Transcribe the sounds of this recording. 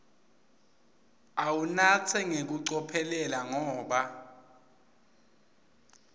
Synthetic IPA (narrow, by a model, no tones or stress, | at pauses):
awunat͡sʰɛŋek̬uǀɔpʰɛlɛlaŋɔːɓa